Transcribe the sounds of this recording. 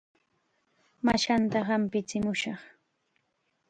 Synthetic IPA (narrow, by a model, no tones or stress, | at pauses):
maʃant̪ahampɪt͡sɪmʊʃɑχ